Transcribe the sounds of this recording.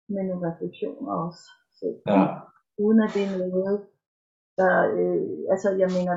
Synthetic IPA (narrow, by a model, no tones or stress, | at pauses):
menuʁɛfleɡ̥ɕo̝̰ːnɒ̽s | sḛ̥ | uːðˠn̩æd̥e̝noð̩ˠ | d̥ɑ̈øælsəjɑ̈ɪmenɐ